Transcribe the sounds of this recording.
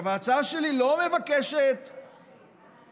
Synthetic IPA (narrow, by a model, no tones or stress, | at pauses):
vaat͡saaʃelilo̞me̞vakeʃet̪